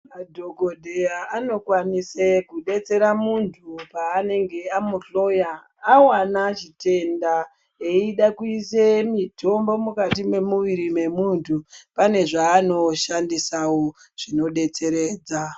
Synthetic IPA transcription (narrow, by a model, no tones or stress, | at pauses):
madʱoɡʱodʱejaano̞kwanisekuɗe̞t͡se̞ɾamuntʰupaːne̞ŋɡe̞amuɬo̞jaː | wanaʒite̞nda | eiɗakuisemitʰo̞mbo̞mukatime̞muʋiɾime̞muntʰupane̞ʐaːno̞ʃandisawo | ʐ̥ino̞ɗe̞t͡se̞ɾe̞ːd͡za